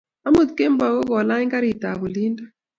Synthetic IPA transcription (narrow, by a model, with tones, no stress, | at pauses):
a˦mu˨t̪̚ke˦m˦ba˨ɣɔ˦ɣɔ˨la˦i˦ŋka˦ɾi˨ta˨βu˨li˦nda˦